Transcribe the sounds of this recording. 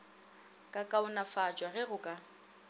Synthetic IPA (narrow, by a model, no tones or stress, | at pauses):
kʼakʼaʊnafat͡ʃʼwaɣɛɣʊkʼa